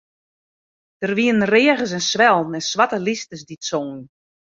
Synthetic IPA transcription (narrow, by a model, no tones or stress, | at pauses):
d̥ərʋiən̩rɪəɣəs̬ɛnsʋɛlˠn̩ɛnsʋatəlistəsditsoːn